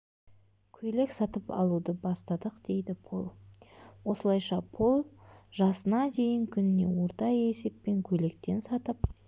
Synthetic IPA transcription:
kʲʰɵjle̞ksɑt̪əpɑ̰lˠud̪əbɑst̪ɑd̪əqd̪̥e̞jd̪ɪpʰo̞lˠwo̞səlˠɑjʃɑpʰo̞lˠʒɑsənɑd̪e̞jɪŋkʲʰʏnɪne̞̰wo̞ɾt̪ɑe̞se̞pːe̞ŋkʲʰɵle̞kt̪e̞nsɑt̪əp

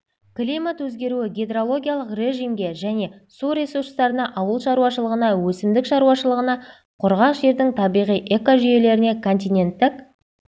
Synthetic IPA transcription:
klʲijmat̪wɵzɡʲe̞ɾuɪɡʲed̪rolˠo̞ɡʲijalˠəqrʲe̞ʒimɡʲe̞ʒæne̞suɾʲe̞surst̪ɑɾənɑʔɑwəlˠʃɑɾuwɑʃəlˠəʁənɑwɵsɪmd̪ɪkʃɑɾuwɑʃəlˠəʁənɑ | qʰʊɾʁɑqʒe̞ɾd̪ɪŋt̪ʰɑbijʁijʔe̞koʒʏje̞le̞ɾɪne̞kʰo̞nt̪̬ʲijnʲe̞nt̪ːɪk

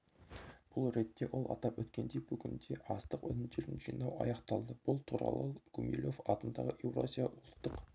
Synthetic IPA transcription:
b̥ʊlˠɾe̞t̪ːe̞wʔo̞lˠɑ̰t̪ɑpwɵt̪kʲe̞nd̪e̞jbɵɡʲɪnd̪e̞ʔɑst̪əqɵ̰nɪnd̪e̞ɾɪnʒijnɑwɑ̰jɑqt̪ɑlˠd̪əb̥ʊlˠt̪ʰuɾɑ̰lˠəɡumʲḭlʲo̞fɑt̪ənd̪ɑʁəʔewro̰zʲijɑʔʊlˠt̪ːəq

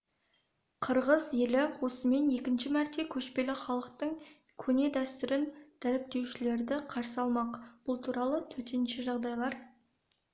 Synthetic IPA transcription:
qʰəɾʁəzjelɪwo̞səme̞ne̞kʲɪnʃɪmæɾt̪e̞kʲʰɵʃpe̞lɪχɑlˠəqt̪əɴ | kʲʰɵne̞d̪æst̪ʏɾɪnd̪̥æɾɪp̚t̪e̞wʃɪle̞ɾd̪ɪqʰɑɾsəɑlˠmɑqb̥ʊlˠt̪ʰuɾɑlˠət̪ʰɵt̪e̞nʃɪʒɑʁd̪ɑjlˠɑɾ

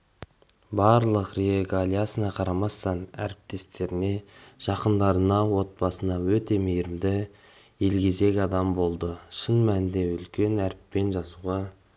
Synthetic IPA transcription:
bɑɾlˠəqɾeeɡalʲijasənɑqʰɑɾɑmɑst̪ɑnæ̰ɾɪp̚t̪e̞st̪e̞ɾɪne̞ʒ̥ɑqənd̪ɑɾənɑwo̞t̪̚bɑsənɑwɵt̪e̞mejɾɪmd̪ɪ | jelɡʲe̞ze̞kʲɑd̪ɑmbo̞lˠd̪əʃənmænd̪e̞ʏlkʲe̞næɾɪpːe̞nʒɑsuʁɑ

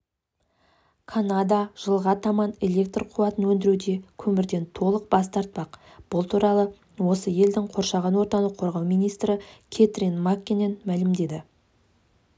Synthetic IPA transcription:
kʰanad̪ɑʒ̥əlˠʁɑt̪ʰɑmɑne̞lʲe̞k̚t̪rqʰuwɑt̪ənwɵnd̪ɪɾud̪e̞kʲʰɵmɪɾd̪e̞nt̪ʰo̞lˠəq̚bɑst̪ɑɾt̪̚pɑq | b̥ʊlˠt̪ʰuɾɑlˠə | wo̞səje̞ld̪ɪŋqʰo̞ɾʃɑʁɑnwo̞ɾt̪ɑnəqʰo̞ɾʁɑwmijnijst̪ɾɪkʲʰet̪rinmakʲːenenmælɪmd̪e̞d̪ɪ

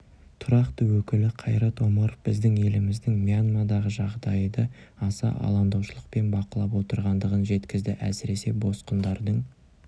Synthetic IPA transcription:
t̪ʰʊɾɑqt̪əwɵkʲɪlɪqʰɑjɾɑt̪o̞mɑɾofbɪzd̪ɪŋe̞lɪmɪzd̪ɪŋmijanmad̪ɑʁəʒɑʁd̪ɑjd̪əɑsɑ̰ʔɑ̰lˠɑnd̪ɑwʃəlˠəq̚pe̞nbɑqəlˠɑpwo̞t̪əɾʁɑnd̪əʁənʒe̞t̪kʲɪzd̪ɪʔæsɪɾe̞se̞bo̞sqənd̪ɑɾd̪əɴ

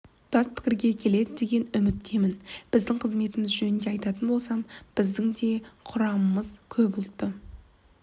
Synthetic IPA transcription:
d̪̥ɑs̚pʰɪ̥kʲɪɾɡʲe̞kʲʰe̞le̞d̪ɪd̪e̞ɡʲe̞nʏmɪt̪ːe̞mɪnb̥ɪzd̪ɪŋqʰəzme̞t̪ɪmɪzʒɵnɪnd̪e̞ɑjt̪ɑt̪ənbo̞lˠsɑmb̥ɪzd̪ɪŋd̪e̞qʰʊɾɑməməz̥kʲʰɵbʊlˠt̪ːə

